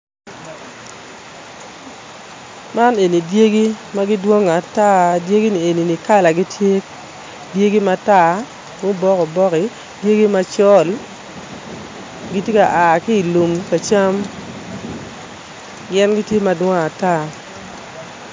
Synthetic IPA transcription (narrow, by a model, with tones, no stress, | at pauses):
ma˦ne˨ni˨dje˦ɡi˦ma˦ɡi˦dwo˦ŋa˨ta˦dje˦ɡi˦ni˨e˨ni˨ni˨ka˦la˨ɡi˦tje˦ | dje˦ɡi˦ma˦ta˦˨ | mo˦bɔ˦kɔ˨bɔ˦kɪ˨ | dje˦ɡi˦ma˦t͡ʃɔ˦l | ɡi˦tje˦ka˨ʔa˨ki˦i˨lu˨mka˨t͡ʃa˦m | ɡɛ˦nɡi˦tje˦ma˦dwɔ˦ŋa˨ta˦